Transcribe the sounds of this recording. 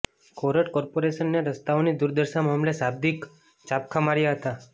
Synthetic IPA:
kɔɾəʈkɔɾpoɾeʃənːeɾəst̪aonid̪uɾd̪əɾʃamamlesab̚d̪ik | t͡ʃap̚kʰamaɾjaɦət̪a

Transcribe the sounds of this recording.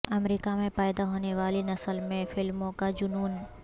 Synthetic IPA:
ɐmɾiːkamẽpaːjd̪aɦoːneʋaːlinɐsəlmẽfɪlmõkad͡ʒʊnuːn

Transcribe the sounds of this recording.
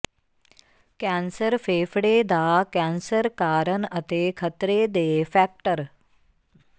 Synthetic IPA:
kɛnsəɾfeːfɽeːd̪ʱaːkɛ̃nsəɾkaːɾənɐt̪eːkʰət̪ɾeːd̪eːfɛk̚ʈəɾ

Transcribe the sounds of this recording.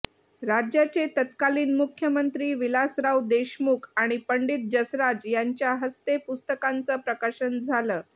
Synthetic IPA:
ɾad͡ʑjat͡set̪ət̪kaliːnmukʰjəmənt̪ɾiːʋilasɾawd̪eɕmukʰaɽ̃ipəɳɖiːt̪̚d͡ʑəsɾad͡ʑjaɲt͡ɕjaɦəst̪epust̪əkant͡səːpɾəkaɕənd͡zʱaləː

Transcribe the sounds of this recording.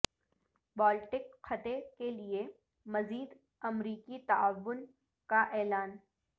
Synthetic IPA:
bɔːlʈɪkxɐt̪ekelie | mɐziːd̪ | ɐmɾiːkit̪aʋːʊn | kaʔɛːlaːn

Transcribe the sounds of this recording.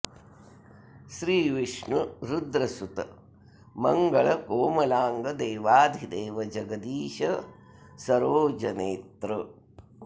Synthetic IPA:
ʃɾiːʋiʂɳuɾud̪ɾɐsut̪ɐ | mɐŋɡɐɭɐkoːmɐlaːŋɡɐd̪eːʋaːd̪ʱid̪eːʋɐd͡ʒɐɡɐd̪iːʃɐ | sɐɾoːd͡ʒɐneːt̪ɾɐ

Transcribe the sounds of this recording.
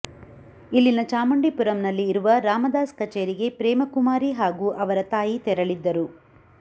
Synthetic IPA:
ilːinɐt͡ʃaːmɐɳɖipuɾɐmnɐlːiːɾuʋɐɾaːmɐd̪aːskɐt͡ʃeːɾiɡe̞pɾɛːmɐkumaːɾiɦaːɡuːʔɐʋɐɾɐt̪aːjit̪ɛɾɐɭid̪ːɐɾu

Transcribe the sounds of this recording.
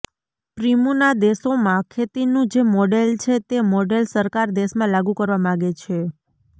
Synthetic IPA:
pɾimunad̪esomãkʰet̪inũd͡ʒemɔɖelt͡ʃʰet̪emɔɖelsəɾkaɾd̪eʃmãlaɡũkəɾʋamãɡet͡ʃʰe

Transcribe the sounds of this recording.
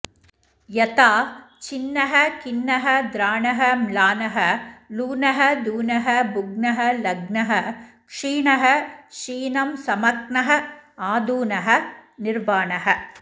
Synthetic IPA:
jɐt̪aː | t͡ʃɪnːɐɦɐkɪnːɐɦɐd̪ɾaːɳɐɦɐmlaːnɐɦɐluːnɐɦɐd̪uːnɐɦɐbʊɡnɐɦɐlɐɡnɐɦɐkʂiːɳɐɦɐʂiːnɐmsɐmɐk̚nɐɦɐaːd̪uːnɐɦɐnɪɾʋaːnɐɦɐ

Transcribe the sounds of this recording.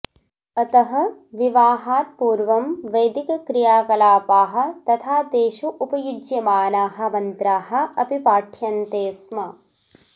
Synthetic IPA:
ɐt̪ɐɦɐ̆ʋiʋaːɦaːt̪̚puːɾʋɐmʋɐjd̪ikɐkɾijaːkɐlaːpaːɦɐ̆t̪ɐt̪ʰaːt̪eːʃuʔupɐjud͡ʒjɐmaːnaːɦɐ̆mɐnt̪ɾaːɦɐ̆ɐpipaːʈʰjɐnt̪eːsmɐ

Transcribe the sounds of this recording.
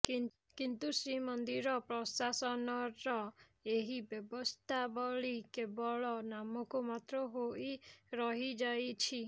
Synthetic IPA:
kint̪usɾimɔnd̪iɾɔpɾɔsasɔnɔɾɔ | eɦibjɔbɔst̪ʰabɔɭikebɔɭɔnamɔkumat̪ɾɔɦoiɾɔɦid͡ʒajt͡ʃʰi

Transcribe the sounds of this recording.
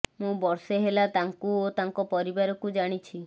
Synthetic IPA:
mũbɔɾseɦelat̪aŋkuot̪aŋkɔpɔɾibaɾɔkud͡ʒaɽ̃it͡ʃʰi

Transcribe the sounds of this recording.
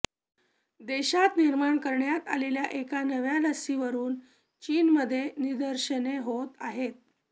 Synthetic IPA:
d̪eɕat̪niɾmaɳkəɾɳjat̪a̰leljaʔekanəʋjaləsiʋəɾuːn | t͡ɕiːnməd̪ʱːjenid̪əɾɕəneɦot̪aɦet̪̚

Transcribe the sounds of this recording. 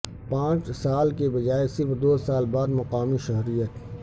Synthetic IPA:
pãːt͡ʃsaːlkebɐd͡ʒaːesɪɾfd̪oːsaːlbaːd̪mɐqaːmiʃɐɦɾijət̪

